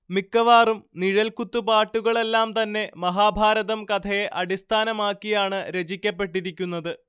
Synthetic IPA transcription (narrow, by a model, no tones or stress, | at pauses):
mikːɐʋaːrumniɻɐlkut̪ːupaːʈːuɣɐɭe̞lːaːmt̪ɐnːe̞mɐɦaːbʱaːɾɐðɐmkɐt̪ʰɐjeʔɐɽist̪ʰaːnɐmaːkːijaːɳɨɾe̞d͡ʑikʲːɐpːe̞ʈːiɾikʲːunːɐðɨ